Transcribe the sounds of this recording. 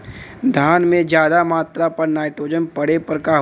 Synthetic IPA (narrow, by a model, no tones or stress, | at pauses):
d̪ʱaːnmẽd͡ʒjaːd̪amaːt̪ɾapɐɾnaːɪʈɾoːd͡ʒənpɐɽepəɾkaɦ